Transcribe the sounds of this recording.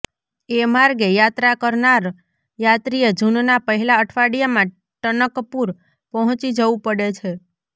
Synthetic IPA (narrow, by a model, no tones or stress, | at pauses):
emaɾɡejat̪ɾakəɾnaɾ | jat̪ɾijed͡ʒunnapəɦɛlaəʈʰʋaɽijamã | ʈənəkpuɾ | pəɦɔ̃t͡ʃid͡ʒəʋũpəɽet͡ʃʰe